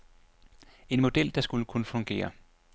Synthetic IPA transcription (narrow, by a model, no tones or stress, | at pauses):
e̝nmo̝d̥el̰d̥ɑ̈sɡ̥uləkʰunəfɔ̽ŋɡ̥e̝̰ːɐ